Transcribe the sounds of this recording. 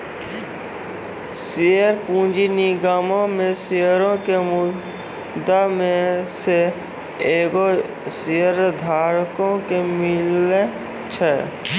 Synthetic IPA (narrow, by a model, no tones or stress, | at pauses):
sejəɾpũːd͡ʒiniɡaːmõmẽsejəɾõkemʊ | d̪amẽse | eːɡo | siəɾd̪ʱaːɾkõkemɪle | t͡ʃʰɛ